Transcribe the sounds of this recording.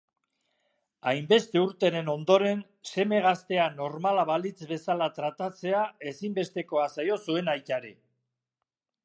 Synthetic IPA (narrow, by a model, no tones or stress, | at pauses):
ajmbe̞st̪e̞uɾt̪e̞ɾe̞no̞nd̪o̞ɾe̞n | se̞me̞ɣ̞ast̪e̞ano̞ɾmalaβalit͡sbe̞salat̪ɾat̪at͡se̞ae̞simbe̞st̪e̞ko̞asajo̞sue̞najt̪aɾe